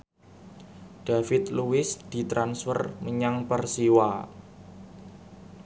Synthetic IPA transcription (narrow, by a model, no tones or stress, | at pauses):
d̥afɪt̪luɪsd̪̥i̤t̪ɾansfərməɲaŋpərsiwa